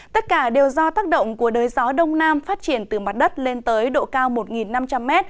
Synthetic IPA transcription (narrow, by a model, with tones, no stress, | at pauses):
t̪ə˦˥t̚kaː˧˩ɗe˨˩wzɔ˧t̪aː˦˥k̚ɗə̰˧˨wŋ͡mku˧˩əɗəː˨˩jzɔ˨˦ɗə˧wŋ͡mnaː˧mfaː˦˥t̚t͡ɕi˧˩ənt̪ɨ˨˩ma˨˩t̚ɗə˦˥t̚le˧nt̪əː˨˦jɗo̰˧˨kaː˧wmo˨˩t̚ŋi˨˩nːa˧mt͡ɕa˧mːɛ˦˥t̚